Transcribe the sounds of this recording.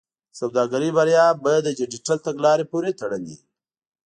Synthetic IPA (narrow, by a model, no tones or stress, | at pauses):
sawd̪ɑɡaɾibaɾjɑbajad̪ːəd͡ʒɪd͡ʒiʈalt̪aɡlɑɾepuɾet̪aɽənd̪ḭ